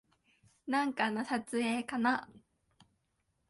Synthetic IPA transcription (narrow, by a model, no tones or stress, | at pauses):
nãŋkanasat͡sɨeːkana